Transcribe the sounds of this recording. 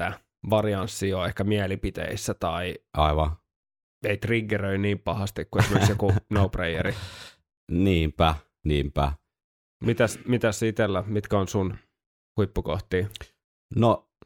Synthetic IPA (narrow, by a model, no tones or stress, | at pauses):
t̪æ | ʋɑriɑnsːioehkæmiɛlipit̪ḛisːæt̪ɑiʔɑiʋɑ | eit̪riɡːerøiniːmpɑhɑst̪ikkuesimeksjokunouprejeɾi | niːmpæ | niːmpæ | mit̪æsmit̪æsːit̪elːæmit̪kæonsun | huipːuko̰ht̪iː | no